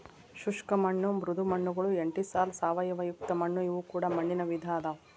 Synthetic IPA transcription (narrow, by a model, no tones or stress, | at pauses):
ʃuʂkɐmɐɳːumɾud̪ʱumɐɳːuɡɐɭueɳʈisaːlsaːʋɐjɐʋɐjukt̪ɐmɐɳːuiʋukuːɽɐmɐɳːinɐʋid̪ʱaːd̪ɐ